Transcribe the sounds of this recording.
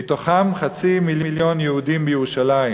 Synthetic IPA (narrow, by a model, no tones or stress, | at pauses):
toχamχat͡simililjo̞njɛhudimbejeʁuʃalai